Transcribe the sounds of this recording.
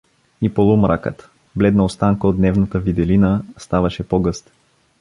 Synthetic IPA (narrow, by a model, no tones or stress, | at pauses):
ipolˠumɾʔa̰kə̰t̪ | blɛd̪nəost̪aŋkəod̪nɛvnət̪əvid̪ɛlinəst̪avɐʃɛpoɡɤst̪